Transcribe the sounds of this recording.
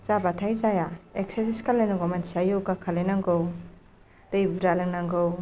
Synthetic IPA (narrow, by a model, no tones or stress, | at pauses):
zabatʰajzajaeksesiskʰalenaŋɡowmensajoɡakʰalenaŋɡow | d̥ejbuɾaleŋnaŋɡow